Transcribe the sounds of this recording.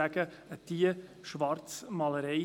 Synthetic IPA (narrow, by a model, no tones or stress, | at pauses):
æɡ̥ə | ət̪iːəʃʋɑɾtt͡smɑləɾeɪ